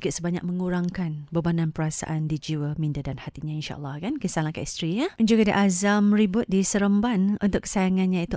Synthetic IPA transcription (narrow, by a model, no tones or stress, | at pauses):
kɪʔsəbaɲa̰k̚mə̃ŋuɾaŋkanbəbanãnpəɾasa̰ʔandid͡ʒiwəmĩndadanhat̪iɲãinʃa̰ʔə̰lːɑhkankəsalãŋkaʔist̪ɾiɲadand͡ʒuɡadḭʔazamɾibʊt̪̚disəɾəmbanunt̪ʊkːə̥sajaŋanɲãit̪u